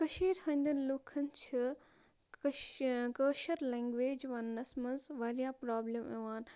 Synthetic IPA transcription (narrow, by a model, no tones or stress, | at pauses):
kɐʃiːɾhɐ̃nd̪ɐnlukʰɐnt͡ʃʰi | kəːʃɐɾleːŋɡʋeːd͡ʒʋɐnːɐsmɐzʋɐɾjaːpɾaːblemeʋaːn